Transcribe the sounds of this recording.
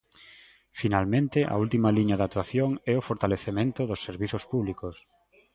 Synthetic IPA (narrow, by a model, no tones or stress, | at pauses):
finalmẽnt̪ɪʔa̰ult̪imaliɲaðat̪waθjoŋɛʊfoɾt̪aleθemẽnt̪ʊðʊsːeɾβiθospuβlikos